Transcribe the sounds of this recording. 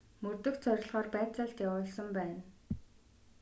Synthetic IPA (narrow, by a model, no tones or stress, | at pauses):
mɵrt̪ɵ̆xt͡sʰœɾ̆ʲɮʁɔːrpæːt͡sə̆ɬt̪jawʊːɮsə̆mpæːn